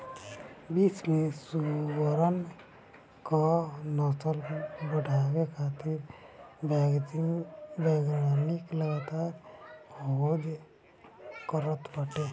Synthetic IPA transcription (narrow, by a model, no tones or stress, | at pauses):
biːsmẽsuwəɾən | konɔːsəlbəɽʱaːwekʰaːt̪ɪɾ | beːɡɾanikləɡat̪aːɾ | od͡ʒ | kəɾət̪bəʈe